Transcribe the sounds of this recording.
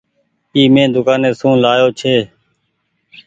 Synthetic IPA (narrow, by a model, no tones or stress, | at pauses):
iːmẽːd̪ʊkaːneːsũːlaːjoːt͡ʃʰeː